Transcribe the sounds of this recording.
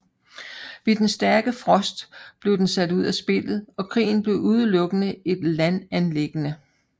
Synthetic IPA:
ʋe̝d̥ensd̥æɐɡ̥əfʁɒ̽sd̥b̥le̝ʊd̥ensæd̥uð̞̰ˠæsb̥e̝l̰ð̩ˠɒ̽kʰʁḭːn̩b̥le̝ʊʔuð̞ˠəlɔ̽ɡ̥ənəe̝d̥lænænle̝ɡ̥ənə

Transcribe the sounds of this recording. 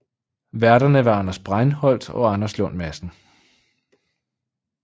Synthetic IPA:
ʋæɐɾɐnəʋɑ̈ɑ̈nɐsb̥ʁɑɪnhɒ̽l̰d̥ɒ̽ɑ̈nɐslɔ̽n̰mæsn̩

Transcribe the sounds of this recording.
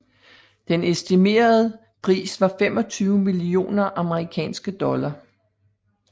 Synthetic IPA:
d̥enesd̥ime̝̰ːɐð̞ˠə | pʰʁḭːsʋɑ̈fem̰ɒ̽t͡sʰyːʊmilio̝̰ːnɐʔɑ̈məʁikʰɛ̰ːnsɡ̥əd̥ɒ̽lɐ

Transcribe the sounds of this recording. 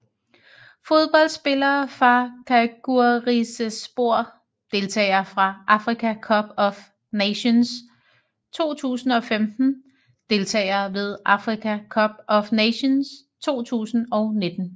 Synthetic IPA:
fo̝ð̞ˠb̥ɒ̽l̰̥sb̥e̝lɐːfʁɑ̈kʰæɡ̥uɐʁisəsb̥o̝ɐ̰ | d̥e̝lt͡sʰɛ̰ːɪɐfʁɑ̈ʔɑ̈fʁikʰækʰɒ̽b̥ɒ̽f | neɕons | t͡sʰo̝̰ːt͡sʰṵːsn̩ɒ̽femd̥n̩ | d̥e̝lt͡sʰɛ̰ːɪɐʋe̝ð̞ˠʔɑ̈fʁikʰækʰɒb̥ɒ̽fneɕons | t͡sʰo̝̰ːt͡sʰṵːsn̩ɒ̽ʊne̝d̥n̩

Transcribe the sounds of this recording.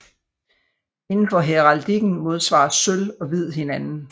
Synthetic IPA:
e̝nn̩fɒ̽ɦeʁɑld̥iɡ̥n̩mo̝ð̞ˠsʋɑ̰̈ːsølɒ̽ʋið̞̰ˠhe̝nænn̩

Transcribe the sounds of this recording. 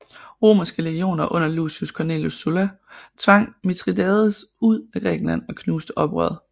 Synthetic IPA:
ʁo̝̰ːmɐsɡ̥əleɡ̥io̝̰ːnɐʔɔ̽n̰ɐluːsiuskʰɒneljo̝sulæ | t͡sʰʋɑ̈ŋ̰mit͡sʰʁid̥ɛðˠsuð̰ˠæɡ̥ʁɛ̰ːɡ̥n̩læn̰ɒ̽kʰnuːsd̥əʔɒ̽b̥ʁœ̰ːð̩ˠ

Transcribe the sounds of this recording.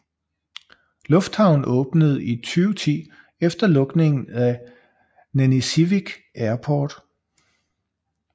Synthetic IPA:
lɔ̽fd̥hɑ̈ʊn̩ʔɔ̽ːb̥nəð̞̩ˠit͡sʰyːʊt͡sʰḭː | efd̥ɐlɔ̽ɡ̥ne̝ŋn̩æ | nænisiʋiɡ̥ʔæɐpʰɒːd̥

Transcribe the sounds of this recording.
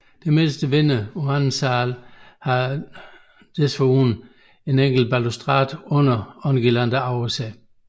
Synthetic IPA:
d̥eme̝ːsd̥əʋenəoænsɑːlhɑ | d̥esʋoun | e̝neŋ̰ɡ̥l̩b̥ælusd̥ʁɑ̰ːd̥ɔ̽nɐɒnɡ̥ilænd̥ɐɑʊesɛ

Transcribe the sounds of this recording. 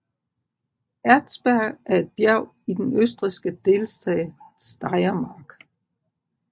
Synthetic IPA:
æɐd̥sb̥æɐ̰ɡ̥æɐe̝d̥̚b̥jæʊ̰ | id̥enøsd̥ʁisɡ̥əd̥e̝lsd̥ʰɛ̰ːsd̥ɑ̈ɪɐmɑ̈ːɡ̥

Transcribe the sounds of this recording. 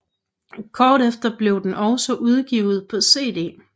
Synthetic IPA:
kʰɒːɾ̥efd̥ɐb̥le̝ʊd̥enʔɒʊsɒʔuð̞ˠɡ̥ḭʊð̞̩ˠpʰɒ̽se̝̰ːd̥e̝̰ː

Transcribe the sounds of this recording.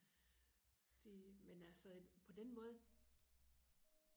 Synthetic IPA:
d̥imenælsɒpʰɒ̽d̥enmɔ̽ːð̞̩ˠə

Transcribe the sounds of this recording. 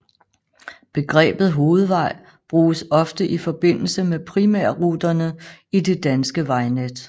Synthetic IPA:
b̥e̝ɡ̥ʁɛ̰ːb̥ð̞̩ˠɦo̝ːð̞̩ˠʋɑ̈ɪ̰ | b̥ʁuːsɒ̽fd̥əʔifɒ̽b̥e̝n̰l̩səmepʰʁimæɐ̰ʁuːd̥ɐnəide̝d̥ænsɡ̥əʋɑ̈ɪned̥

